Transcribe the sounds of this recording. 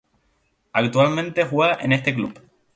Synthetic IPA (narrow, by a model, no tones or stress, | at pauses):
akt̪ualmẽnt̪e̞xweaʔe̞ne̞st̪e̞klup